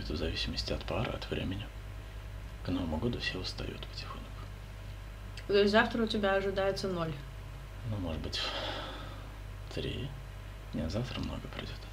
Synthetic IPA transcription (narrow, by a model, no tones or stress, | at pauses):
t̪əvzɐvʲisʲɪməsʲtʲɪɐt̪paɾʔə̰ɐ̰t̪vɾʲḛmʲɪnʲɪ | knovəmʊɡo̞d̪ʊfsʲilˠst̪ɐ̰jṵt̪pə̥tʲɪxo̰nkʊ̥ | t̪ozaft̪ɾəʊtʲɪbʲaɐʐɨd̪ajɪt̪sənolʲ | numoʐɨd̪bɨtʲ | t̪ɾʲḛj | nʲazaft̪ɾəmno̞̰ɡəpɾʲɪ̰dʲo̞t̪